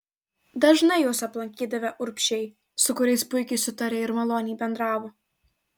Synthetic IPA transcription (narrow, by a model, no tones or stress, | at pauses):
d̪ɐʒnɐɪjoːsɐplˠɐŋʲkʲiːd̪ɐʋʲɛʔʊɾʲpʲʃʲɛɪ | sʊkʊɾʲɛɪspʊɪkʲɛɪsʊt̪ɐɾʲeːɪɾmɐlˠoːnʲɪbʲɛnd̪ɾɑːʋoː